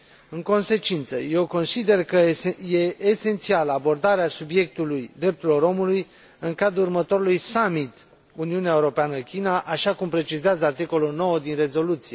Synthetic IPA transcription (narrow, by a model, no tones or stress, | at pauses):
ɨŋko̞nse̞t͡ʃint̪səje̞wko̞nsid̪e̞rkəje̞ʔːse̞nt̪sialəabo̞rd̪aɾeasubje̞k̚t̪ulujd̪ɾe̞p̚t̪ulo̞ɾo̞muluj | ɨŋkad̪ɾuːrmət̪o̞ɾulujsamit̪ | uniuneaeuɾo̞peanəkʲinaʔaʃakumpɾe̞t͡ʃizeazəart̪iko̞lulno̞wəd̪inre̞zo̞lut̪sije